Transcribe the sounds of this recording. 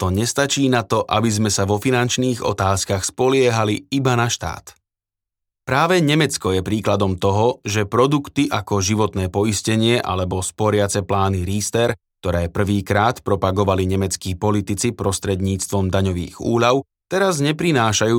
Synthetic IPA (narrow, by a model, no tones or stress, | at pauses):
t̪ɔɲɛst̪at͡ʃiːnat̪ɔʔabizmɛsaʋɔfinant͡ʃniːɣɔ̰t̪aːskaxspɔlɪɛɦaliibanaʃt̪a̰ːt̪ | pɾaːʋɛɲɛmɛt͡skɔjɛpɾiːklad̪ɔmt̪ɔɦɔʒɛpɾɔd̪ukt̪iʔakɔʒiʋɔt̪nɛːpɔiscɛɲɪɛʔa̰lɛbɔspɔɾɪat͡sɛplaːniɾiːst̪ɛɾkt̪ɔɾɛːpr̩ʋiːkɾaːt̪pɾɔpaɡɔʋaliɲɛmɛt͡skiːpɔlit̪it͡sipɾɔst̪ɾɛd̪ɲiːt͡st̪ʋɔmd̪aɲɔʋḭːɣṵːʎaʊ | t̪ɛɾazɲɛpɾinaːʃajuː